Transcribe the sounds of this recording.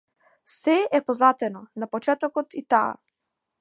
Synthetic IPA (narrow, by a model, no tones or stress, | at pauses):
sɛɛpɔznat̪ɛnɔnapɔt͡ʃɛt̪ɔkɔt̪it̪a̰ː